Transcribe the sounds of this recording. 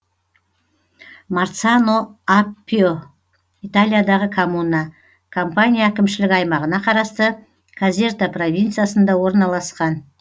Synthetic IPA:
maɾt̪sanoapʲːio | it̪alʲˠijad̪ɑʁəkʰomuna | kʰo̞mpanʲijaækʲɪmʃɪlɪkɑjmɑʁənɑqʰɑɾɑst̪ə | kʰazʲe̞rt̪apro̞vʲijnt̪sɨjasənd̪ɑwo̞ɾnɑlˠɑsqɑn

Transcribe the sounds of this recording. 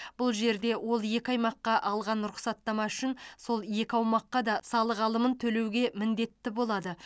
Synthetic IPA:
b̥ʊlˠʒe̞ɾd̪e̞wʔo̞lˠje̞kʲɪɑjmɑqːɑʔɑlˠʁɑnɾʊχsɑt̪ːɑmɑʏʃɪnso̞lˠje̞kʲɪɑwmɑqːɑd̪ɑsɑlˠəʁɑlˠəmənt̪ʰɵle̞wɡʲe̞mɪnd̪e̞t̪ːɪbo̞lˠɑd̪ə

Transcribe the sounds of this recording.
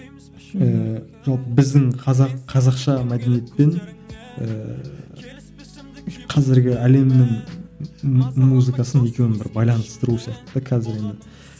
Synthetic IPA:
əʒ̥ɑlˠpəbɪzd̪ɪŋqʰɑzɑqqʰɑzɑqʃɑmæd̪enije̞t̪̚pe̞n | ə̰ | qʰɑzɪɾɡʲɪæle̞mnɪŋ | muzɨkɑsəne̞kʲe̞wnɪbɪ̰ɾbɑjlˠɑnəst̪əɾusijɑqt̪əd̪ɑkʲʰæzɪɾe̞nd̪ɪ

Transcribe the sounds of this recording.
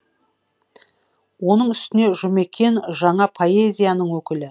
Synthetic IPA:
wo̞nəɴʏst̪ɪne̞ʒʏme̞kʲʰe̞nʒɑɴɑpʰo̞ezʲijanəɴwɵkʲɪlɪ

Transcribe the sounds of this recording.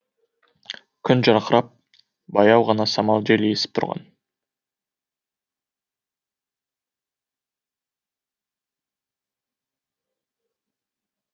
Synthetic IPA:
kʲʰʏnʒɑɾqəɾɑp̚ | bɑjɑwʁɑnɑsɑmɑlˠʒele̞sɪ̥p̚t̪ʰʊ̰ɾʁɑ̰n

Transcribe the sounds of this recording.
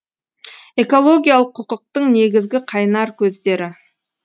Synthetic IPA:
e̞ko̞lˠo̞ɡʲijalˠəqʰːʊqəq̚t̪əɴne̞ɡʲɪzɡʲɪqʰɑjnɑɾkʲʰɵzd̪e̞ɾɪ

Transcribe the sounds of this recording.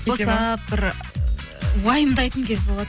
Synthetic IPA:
oseɑpbɪɾ | wɑjəmd̪ɑjt̪əŋkʲʰezbolˠɑd̪

